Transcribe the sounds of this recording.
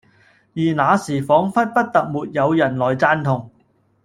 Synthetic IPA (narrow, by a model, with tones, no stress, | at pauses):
jiː˨˩naː˨˧siː˨˩fɔː˨˥ŋfɐ˥t̚pɐ˥t̚t̪ɐ˨k̚muː˨t̚jɐ˨˧wjɐ˨˩nlɔː˨˩jt͡saː˧nt̪ʰʊ˨˩ŋ